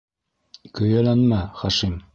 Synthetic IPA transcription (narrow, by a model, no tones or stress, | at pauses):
kɵ̆jælænmæχɑʃim